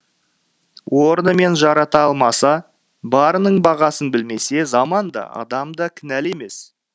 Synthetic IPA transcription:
wo̞ɾnəme̞nʒɑɾɑt̪ɑɑlˠmɑsɑ | bɑɾənəɴbɑʁɑsənbɪlme̞se̞zɑmɑnd̪ɑ̰ɑ̰d̪ɑmd̪ɑkʲʰɪnæle̞me̞s

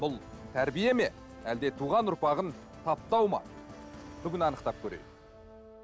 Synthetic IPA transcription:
bʊlˠ | t̪ʰæɾbije̞me̞ | æld̪e̞t̪ʰuʁɑnʊɾpɑʁən | t̪ʰɑp̚t̪ɑwmɑ̰ | b̥ʏɡʲɪnɑnəqt̪ɑp̚kʲʰɵɾḛt̪

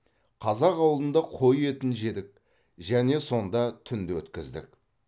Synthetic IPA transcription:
qʰɑzɑqɑwlˠd̪ənd̪ɑqʰo̞je̞t̪ɪnʒe̞d̪ɪk̚ | ʒæne̞so̞nd̪ɑt̪ʰʏnd̪ɪwɵt̪kʲɪzd̪ɪ̰k

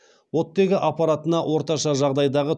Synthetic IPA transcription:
wo̞t̪ːe̞ɡʲɪʔɑpɑɾɑt̪ənɑwo̞ɾt̪ɑʃɑʒɑʁd̪ɑjd̪ɑʁə

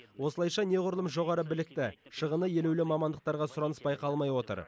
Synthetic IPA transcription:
wo̞səlˠɑjʃɑne̞ʁʊɾəlˠəmʒo̞ʁɑɾəbɪlɪk̚t̪ɪʃəʁənəje̞lewlɪmɑmɑnd̪əq̚t̪ɑɾʁɑsʊɾɑnəspɑjqʰɑlˠmɑjwo̞t̪ə̰ɾ

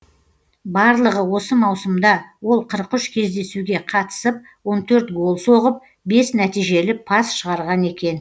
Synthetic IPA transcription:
bɑɾlˠəʁəwo̞səmɑwsəmd̪ɑwo̞lˠqʰəɾqʏʃkʲʰe̞zd̪e̞suɡʲe̞qʰɑt̪ə̥səp̚ | wo̞nt̪ʰɵɾt̪ɡo̞lˠso̞ʁəp̚ | be̞snæt̪ijʒe̞lɪpʰɑsʃəʁɑɾʁɑne̞kʲe̞n

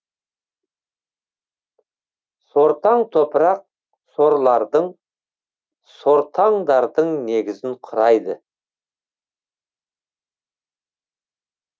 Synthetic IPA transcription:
so̞ɾt̪ɑɴt̪ʰopəɾɑq̚ | so̞ɾlˠɑɾd̪əɴ | so̞ɾt̪ʰɑɴd̪ɑɾd̪əɴne̞ɡʲɪzɪɴqʰʊɾɑjd̪ə

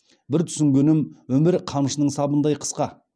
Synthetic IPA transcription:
bɪɾt̪ʰʏ̥sɪŋɡʲenɪmwɵmɪɾqʰɑmʃənəɴsɑbənd̪ɑjqʰə̥sqɑ

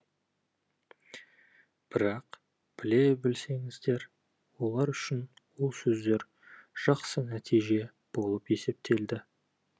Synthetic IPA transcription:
b̥ɪɾɑq | b̥ɪle̞bɪlse̞ŋɪzd̪e̞ɾ | wo̞lˠɑɾʏʃɪn | wolˠsɵzd̪e̞ɾ | ʒ̥ɑqsənæt̪ʰijʒe̞ | b̥o̞lˠəpe̞se̞p̚t̪ʰe̞ld̪ɪ

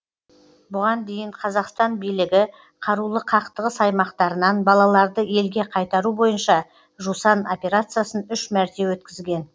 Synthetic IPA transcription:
bʊʁɑnd̪e̞jɪɴqʰɑzɑqst̪ɑnbijlɪɡʲɪ | qʰɑɾulˠəqʰɑqt̪əʁəsɑjmɑqt̪ɑɾənɑnbɑlˠɑlˠɑɾd̪əe̞lɡʲe̞qʰɑjt̪ɑɾubo̞jənʃɑ | ʒusɑno̞pʲe̞ɾat̪sɨjasənʏʃmæɾt̪e̞wɵt̪kʲɪzɡʲe̞n

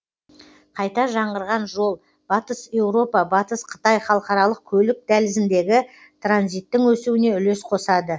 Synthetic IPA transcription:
qʰɑjt̪ɑʒɑɴʁəɾʁɑnʒo̞lˠ | b̥ɑt̪əse̞wɾo̞pɑbɑt̪əsqʰə̥t̪ɑjχɑlˠəqɑɾɑlˠəq̚kʲʰɵlɪk̚d̪ælɪzɪnd̪e̞ɡʲɪ | t̪ʰranzijt̪ːɪŋwɵsuwɪne̞ʏle̞sqʰo̞sɑd̪ə

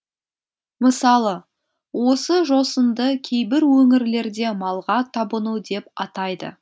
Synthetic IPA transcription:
məsɑlˠə | wo̞səʒo̞sənd̪əkʲʰe̞jbɪɾwɵŋɪɾle̞ɾd̪e̞mɑlˠʁɑt̪ʰɑbənud̪e̞pɑt̪ɑjd̪ə̰

